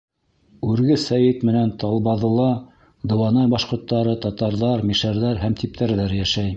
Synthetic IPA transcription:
ʉɾɡɘsæjɘt̪mɘ̆nænt̪ɑlˠβɑðɤ̆lˠɑ | d̪ɤ̆wɑnɑjbɑʃqŏɾt̪ːɑɾɤt̪ɑt̪ɑɾðɑɾmiʃæɾðæɾhæmt̪ip̚t̪ʰæɾðæɾjæʃæj

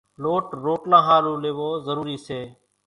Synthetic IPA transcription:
loːʈɾoːʈnãːɦaːɾũːleːʋoːzəɾuːɾiːseː

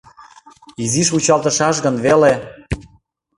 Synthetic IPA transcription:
iziʃut͡ɕɑlˠt̪ə̆ʃɑʃ̬ɣənβele

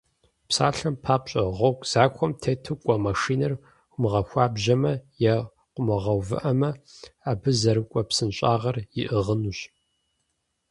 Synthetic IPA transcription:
psa̰ːɬɐmpʰaːpɕʼɐʁʷɐwkʷʼz̥aːkʷʰɔmtʰeːtʰɨkʷʼɐmɐʂiːnɐr | ʊmɨʁɐxʷaːbʑɐmɐjɛ | qʷʊmɐʁɐwvɨ̰ʔɐmɐaːbɨzɐɾɨkʷʼɔpsɨnɕʼaːʁɐrjɪʔɨʁənuɕ

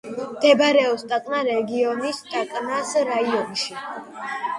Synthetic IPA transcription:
md̪̥ɛbɾɛɔst̪ʼakʼnaɾɛɡiɔnist̪ʼakʼnasɾaiɔnʃi

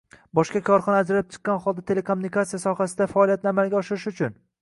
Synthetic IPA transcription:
bɒʃkʲakʰɒɾχɒnaːd͡ʒɾalɪp̚t͡ʃʰɨ̥qːɑnχɒlˠd̪at̪ʰelekʰomunikat̪sijasɒχasɪd̪afaɒlˠijat̪̚nɪamalɡʲaɒʃɪɾɪʃʊt͡ʃʰʊn

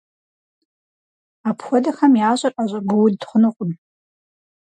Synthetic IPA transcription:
apʰxʷɔdɐxɐmjaːɕʼɐrʔaɕʷʼɐɡʊwʊddχʷʊnɨqʷʼʊm

